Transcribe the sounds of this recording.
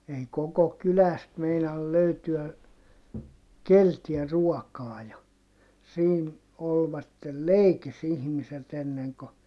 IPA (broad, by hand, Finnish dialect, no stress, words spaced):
ei koko kylæst meinɑl løytyæ keltiæ ruɔkɑː jɑ siːn olʋɑtːel leikis ihmiset enːeŋ ko